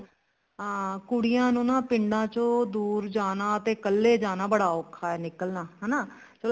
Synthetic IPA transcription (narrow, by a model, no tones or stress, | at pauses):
kʊɽɪjãːnũːnaːpɪɳɖãːt͡ʃõːd̪uːɾd͡ʒaːnaːət̪eːkəlːeːd͡ʒaːnaːbəɽaːʊkʰːaːɛːnɪkəlnaːɦɛːnaː | t͡ʃəl